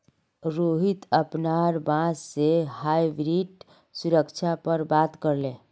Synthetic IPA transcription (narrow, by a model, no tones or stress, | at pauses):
ɾoːɦɪt̪əpnaːɾbãːssehaːibɾiːɖ | sʊɾəkt͡ʃʰapəɾbaːt̪kəɾlẽː